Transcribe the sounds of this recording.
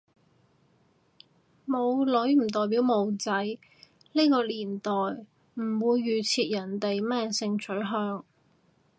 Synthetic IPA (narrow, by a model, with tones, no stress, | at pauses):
mo˨˧wlɵ˨˥ɥm̩˨˩t̪̬ɔː˨˩jp̬i˨˥wmo˨˧wt͡sɐ˨˥j | ne˥kɔː˧liː˨˩nt̪ɔː˨j | m̩˨˩wuː˨˧jːyː˨˩t͡sʰiː˧t̚jɐ˨˩nt̪e˨jmɛː˥sɪ˧ŋt͡sʰɵ˨˥ɥɦœː˧ŋ